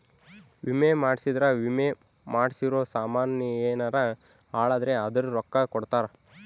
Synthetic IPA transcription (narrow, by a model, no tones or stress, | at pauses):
ʋimemaːɽsid̪ɾɐʋime | maːɽsiɾoːsaːmaːnjɐeːnaɾɐ | aːɭaːd̪ɐɾeɐd̪ɐɾuɾɔkːakɔɽt̪aːɾɐ